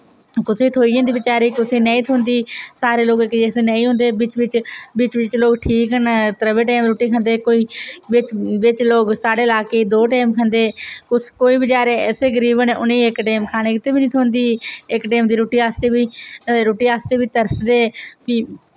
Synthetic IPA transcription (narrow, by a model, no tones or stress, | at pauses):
kʊseːt̪ʰoːiːd͡ʒə̃nd̪iːʋɪt͡ʃaːɾiːkʊseːnə̃ːĩːt̪ʰoːnd̪iːsaːɾeːloːɡekieseːnə̃ĩːɦʊ̃nd̪eːbɪt͡ʃʋɪt͡ʃbɪt͡ʃʋɪt͡ʃloːɡʈʰiːkɦənːt̪əɾəʋeːʈeːmɾoːʈiːkʰə̃nd̪eːkoːiːbɪt͡ʃʋɪt͡ʃloːɡsaːɖeːlaːkeːd̪oːʈeːmkʰənd̪eːkʊskoːiːbɪt͡ʃaːɾeːɛːseːɡəɾiːbənːʔʊnĩːɪkʈeːmkʰaːneːkɪt̪eːbiːnĩːt̪ʰoːnd̪iːɪkʈeːmd̪iːɾoːʈiːaːst̪eːbiːɾoːʈiːaːst̪eːbiːt̪əɾsd̪eːpiː